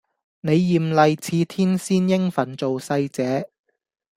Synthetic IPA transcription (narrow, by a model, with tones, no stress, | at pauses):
ne˨˧jːiː˨mlɐ˨jt͡sʰiː˨˧t̪ʰiː˥nsiː˥njɪ˥ŋfɐ˨˥nt͡so˨wsɐ˧jt͡sɛː˨˥